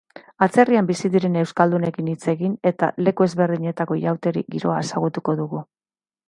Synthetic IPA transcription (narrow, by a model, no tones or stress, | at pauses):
at͡se̞riambisiðiɾe̞ne̞wskald̪une̞kinit͡se̞ɣine̞t̪a̰le̞kue̞zβe̞ɾðiɲe̞t̪ako̞jawt̪e̞ɾḭɡiɾo̞̰aesaɣut̪uko̞ðuɣu